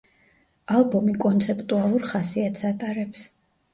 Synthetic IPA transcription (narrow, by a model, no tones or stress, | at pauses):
alˠbɔmikʼɔnt̪sʰɛpʼt̪ʼualˠuɾχasiat̪ʰsat̪ʼaɾɛps